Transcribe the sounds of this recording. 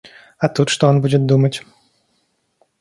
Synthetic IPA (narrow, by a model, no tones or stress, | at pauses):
at̪ut̪ʂt̪ɔɔnbud͡zʲɛt̪̚d̪umɐt͡sʲ